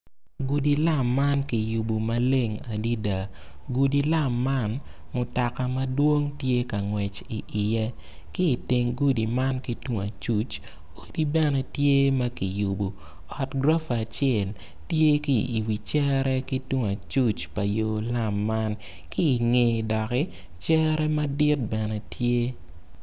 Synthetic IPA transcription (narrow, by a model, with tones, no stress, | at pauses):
ɡu˨di˨la˦˨mːa˦nki˨ju˨bu˨mɐ˦le˦˨ŋa˨di˦da˨ | ɡu˨di˨la˦mːa˦n | mʊ˨ta˨ka˨mɐ˦dwo˦ŋtje˦kɐ˨ŋwɛ˨t͡ʃi˨ʔɪ˨jɛ˦ | kiː˦˨te˨ŋɡu˦di˨ma˦nki˦twu˦ŋa˨t͡ʃu˦t͡ʃ | o˨˦di˦bɛ˦nɛ˨tje˦mɐ˦ki˨ju˨bo˨ | ɔ˨tɡɾa˦fːt͡ʃjɛ˨l | tje˦ki˦ʔi˨wi˨t͡ʃɛ˦ɾɛ˦ki˦twu˦ŋa˨t͡ʃu˦t͡ʃpɐ˨jo˨la˦mːa˦n | kiː˦˨ŋe˨dɔ˨kɪ˦ | t͡ʃɛ˦ɾɛ˦mɐ˦dɪ˦t̚bɛ˨nɛ˨tʰje˦